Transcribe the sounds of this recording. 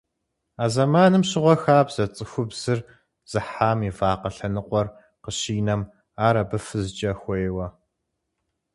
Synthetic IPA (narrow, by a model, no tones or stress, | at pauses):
aːzɐmaːnɨmɕɪʁʷɔxaːbz̥ɐt͡sʼɨxʷʊbz̥ɨr | z̥ɨħaːmivaːqɐɬɐnɨqʷɔr | qəɕiːnɐm | aːɾɐbɨfɨzɨt͡ʃʼɐxʷɔjwɐ